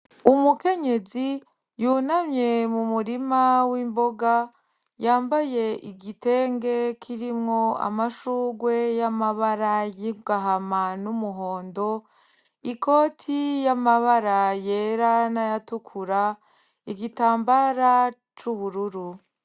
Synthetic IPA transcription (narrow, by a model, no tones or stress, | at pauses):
umuke̞ɲe̞zi | juːnamɲe̞mumuɾimawiːmbo̞ɡa | jaːmbaje̞ʔiɡite̞ːŋɡe̞kʰiɾimŋo̞a̰maʃuːɡwe̞jamaβaɾajiɡaɦamanumuɦo̞ːndo̞ | iko̞ːtʰijamaβaɾaje̞ɾanajatukʰuɾa | iɡitaːmbaɾa | t͡ʃuβuɾuɾu